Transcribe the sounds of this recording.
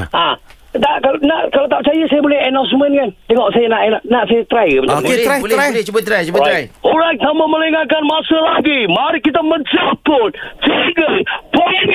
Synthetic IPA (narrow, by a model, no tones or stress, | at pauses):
ʔã | daʔkalnaʔkalat̪aʔ̚t͡ʃajasajabolɛhɛnãw̃smə̃nkant̪ɛŋɔʔsajanaʔnanaʔsajat̪ɾajbət̪ajblat͡ʃubət̪ɾajt͡ʃubəajoɾaŋt̪amaməleŋakanmasəlaɡimaɾikit̪aməɲt͡ʃalpʊnt͡ʃiɡəpɔn